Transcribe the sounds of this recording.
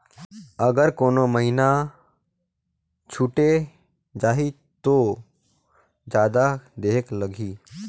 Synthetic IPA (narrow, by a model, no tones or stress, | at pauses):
əɡəɾkoːnoməɦina | t͡ʃʰuːʈe | d͡ʒaːɦi | t̪oː | d͡ʒaːd̪ad̪eːkləɡʱiː